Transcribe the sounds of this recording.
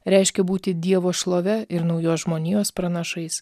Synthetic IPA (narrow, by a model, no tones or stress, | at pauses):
ɾʲɛɪʃʲkʲɛbuːt̪ʲɪd̪ʲiɛʋoːʃlˠoːʋʲɛɪɾnɒʊjoːsʒmoːnʲiːjoːspɾɐnɐʃɐɪs